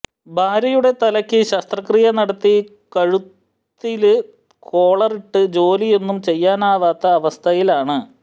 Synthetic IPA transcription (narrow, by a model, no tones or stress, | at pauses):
bʱaːɾɐjuɽe̞t̪ɐlɐkʲːɨɕɐst̪rɐkriːjɐnɐɽɐt̪ːi | kɐɻut̪ː | ilɨ | kʰo̞ːɭɐriʈːɨd͡ʑo̞ːlije̞nːumt͡ɕe̞jːaːnaːʋaːt̪ːɐːʋɐst̪ʰɐjilaːɳɨ